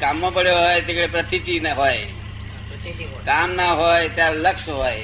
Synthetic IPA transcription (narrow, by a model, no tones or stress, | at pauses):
kamːãpəɽjoɦɔjt̪ekɽepɾət̪ʰit̪inɦɔj | kamnaɦɔjet̪jaləkʃɦɔj